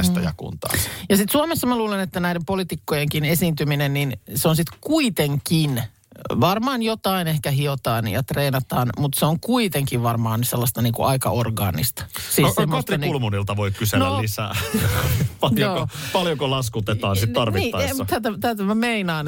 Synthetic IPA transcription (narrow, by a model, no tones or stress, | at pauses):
st̪ɑjɑkṵnt̪ɑ̰ːjɑsit̪suomesːɑmæluːlenet̪ːænæidempolit̪ikːojeŋkinesiːnt̪yminenninseonsit̪kuit̪eŋkin | ʋɑrmɑːnjot̪ɑinehkæɦiot̪ɑːnjɑ̰t̪reːnɑt̪ɑːnmut̪seoŋkuit̪eŋkiʋʋɑrmɑːnyselːɑst̪ɑniːŋkṵʔɑikɑ̰orɡɑ̰ːnḭst̪ɑ̥siːnoemːost̪rinulmunilt̪ɑʋoikkysenːoniːsːæ̰ | pɑljoːopɑljokolɑskut̪et̪ɑːnsit̪ɑrʋiit̪ːɑːɑt̪æt̪æt̪æt̪æmæmeinɑːn